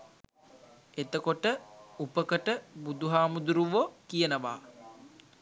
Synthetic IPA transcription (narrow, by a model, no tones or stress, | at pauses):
et̪əkoʈəupəkəʈəbud̪uɦaːmud̪uɾuʋokijənəʋa̰ː